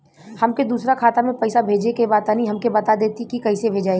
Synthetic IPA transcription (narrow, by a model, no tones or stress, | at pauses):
hɐmked̪uːsɾakʰaːt̪amẽpɛːsabʱeːd͡ʒekebaːt̪anĩɦɐmkebɐt̪ad̪eːt̪ikikɐɦisebʱeːd͡ʒaːe